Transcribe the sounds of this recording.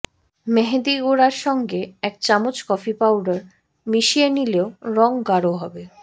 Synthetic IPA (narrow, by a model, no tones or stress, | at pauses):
meɦed̪iɡoɾaɾʃɔŋɡeɛk̚t͡ɕamot͡ɕkɔfipawɖaɾ | miʃienileoɾɔŋɡaɾoɦɔbe